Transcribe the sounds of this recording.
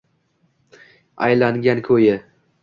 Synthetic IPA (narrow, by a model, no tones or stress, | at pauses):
a̰jlaŋɡʲankʲʰɵjɪ